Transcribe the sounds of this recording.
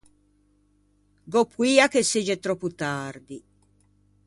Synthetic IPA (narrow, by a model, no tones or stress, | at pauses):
ɡopːwiːakesed͡ʒet̪ɾɔpːut̪ard̪i